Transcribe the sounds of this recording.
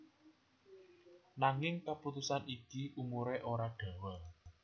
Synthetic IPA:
naŋɪŋkaput̪usanikiʔumuɾeʔoɾaɖ̥a̤wɛ

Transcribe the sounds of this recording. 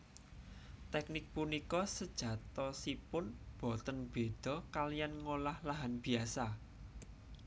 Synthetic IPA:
t̪ɛknɪk̚punikɔsəd̥ʒ̥ä̤t̪ɔsipʊnb̥ɔ̤t̪ənb̥e̤d̪̥ɔ̤kalijanŋolahlaɦanb̥iasa

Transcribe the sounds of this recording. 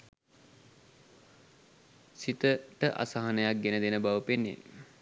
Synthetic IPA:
sit̪əʈəʔa̰saɦanəjak̚ɡenəd̪enəbaʋəpenːjḛ

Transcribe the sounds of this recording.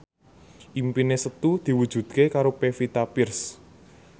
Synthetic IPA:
ʔimpinesət̪ud̪̥i̤wud̥ʒ̥ṳd̪̥̚kekaɾopefit̪apɪrs

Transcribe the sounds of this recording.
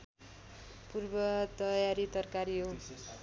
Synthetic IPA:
purbʌt̪ʌjaɾit̪ʌrkaɾiɦo

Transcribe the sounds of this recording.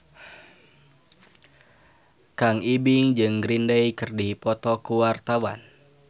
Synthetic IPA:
kaŋibiŋd͡ʒɨŋɡɾindɛjkərdipɔt̪ɔkuwart̪awa̰n

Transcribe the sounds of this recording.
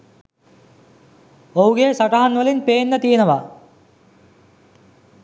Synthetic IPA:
owɡeːsɐʈɐɦɐnʋɐlinpeːnːɐt̪ijɐnɐʋɐ

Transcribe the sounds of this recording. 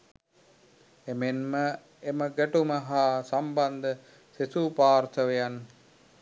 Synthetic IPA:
emenmə | eməɡæʈuməɦaːsamband̪ə | sesupaːɾt̪əʋejan

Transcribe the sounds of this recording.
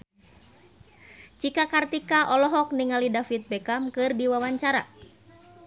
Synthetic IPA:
t͡ʃikakart̪ikaʔɔlɔɦɔk̚niŋalidafit̪̚bɛkamkɨrdiwawaɲt͡ʃaɾa̰

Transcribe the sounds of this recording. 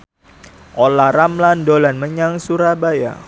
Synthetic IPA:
ʔolaɾamlandolanməɲaŋsuɾabaja̰

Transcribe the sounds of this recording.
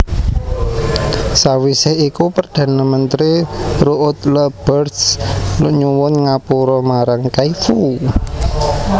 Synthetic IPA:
sawisɪhikupərd̪̥ä̤namənt̪ɾiɾuʔʊt̪ləb̥ərslʊʔɲuwʊnŋapuɾɔmaɾaŋkaifu

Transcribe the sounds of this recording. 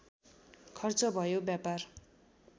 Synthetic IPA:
kʰʌrt͡sʌbʱʌjobjapar

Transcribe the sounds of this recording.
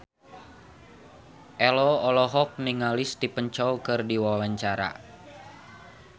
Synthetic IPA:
ʔɛlɔɔlɔɦɔk̚niŋalɪsdipəɲt͡ʃɔwkɨrdiwawaɲt͡ʃaɾa̰

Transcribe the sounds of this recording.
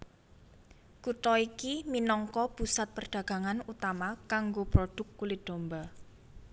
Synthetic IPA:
kut̪ɔikiminɔŋkɔpusat̪̚pərɖ̥ä̤ɡ̥a̤ŋanut̪amakaŋɡopɾoɖ̥ʊ̤kːulit̪̚d̪̥o̤mba

